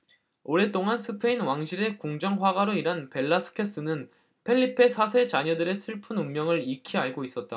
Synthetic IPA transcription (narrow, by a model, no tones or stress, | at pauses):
oɾe̞t͈oŋansʰɯpʰe̞inwaŋɕʰiɾe̞kuŋd͡ʑʌŋɸwaɡaɾoiɾɦanpe̞ɭːasʰɯ̥kʰe̞s͈ɯnɯn | pʰe̞ʎːipʰe̞sʰas̬ʰe̞t͡ɕaɲʌdɯɾe̞sʰɯɭpʰɯnummːjʌŋɯɾikʰiɦaɭɡois͈ʌt̚t͈a